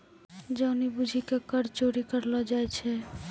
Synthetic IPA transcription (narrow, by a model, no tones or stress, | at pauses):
d͡ʒəʊnibud͡ʒʱikekəɾt͡ʃoɾikəɾlɔd͡ʒajt͡ʃʰɛ